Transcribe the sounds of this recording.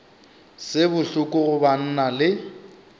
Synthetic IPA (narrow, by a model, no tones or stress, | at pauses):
sɪbʊɬʊkʼʊɣʊban̩nalɪ